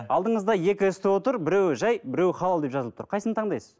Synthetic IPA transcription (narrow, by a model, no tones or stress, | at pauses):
ɑlˠd̪əɴəzd̪ɑje̞kʲɪʏst̪ɪwo̞t̪əɾbɪɾe̞wɪʒɑjbɪɾe̞wɪχɑlˠɑlˠd̪e̞pʒ̥ɑzəlˠəp̚t̪ʰə̥ɾqʰɑjsənət̪ʰɑɴd̪ɑjsəz̥